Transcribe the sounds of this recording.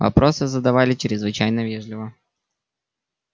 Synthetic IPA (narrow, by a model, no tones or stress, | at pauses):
vɐ̰pɾo̞sɨzəd̪ɐvalʲɪt͡ɕɾʲɪzvɨt͡ɕæjnəvʲeʐlʲɪvə